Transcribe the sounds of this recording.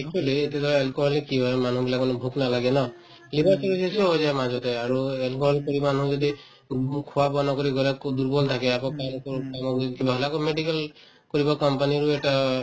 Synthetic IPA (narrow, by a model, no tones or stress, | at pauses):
ek̚t͡ʃualiet̪ed̪ʱɔelkoɦɔlikːibɔman̤ũbilakmanbʱuknalaɡenɔ | libaɾsɔɾusesiɔbɔd͡ʒaemad͡ʒɔt̪eaɾuelkoɦɔlkɔɾimanũd͡ʒɔd̪i | kʰuwabɔnɔkɔɾiɡɔlakd̪uɾbɔlt̪ʰakeakɔkanɔkɔkamɔkkibaɦlakɔmeɖikal | kɔɾibɔkɔmpaniɾueʈa